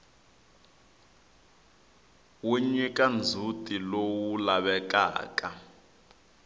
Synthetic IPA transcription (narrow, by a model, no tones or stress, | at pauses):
wuɲikʼand͡zʱutʼilowulaβɛk̬ʼa̰ːkʼa